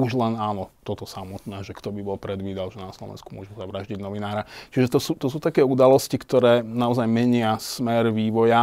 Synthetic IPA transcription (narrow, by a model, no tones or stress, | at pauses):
uʒlɛnaːnɔt̪ɔt̪ɔsamɔt̪nɛːʒɛkt̪ɔbibɔlpɾɛd̪ʋiːd̪alʒɛnaslɔ̰ʋɛ̰nskumʊɔʒɛzaʋɾaʒɟiɟnɔʋinaːɾat͡ʃiʒɛt̪ɔsuːt̪ɔsuːt̪akɛːud̪alɔscikt̪ɔɾɛːnaɔzajmɛɲɪasmɛɾʋiːʋɔja